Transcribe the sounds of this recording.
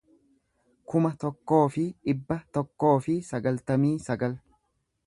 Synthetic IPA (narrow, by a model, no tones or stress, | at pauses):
kʊmɐt̪ɔkːo̞ːfɪᶑɪbːɐt̪ɔkːo̞ːfɪsɐɡɐlt̪ɐmiːsɐɡɐl